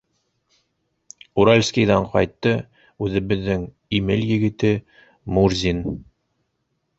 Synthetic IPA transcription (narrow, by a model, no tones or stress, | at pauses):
uɾalʲskʲijðæɴqɑ̰jt̪ːɤ | ʉðɘ̆βɘ̆ðːɘŋ | imɘljɘ̆ɡɘ̆t̪ɘ | murzʲin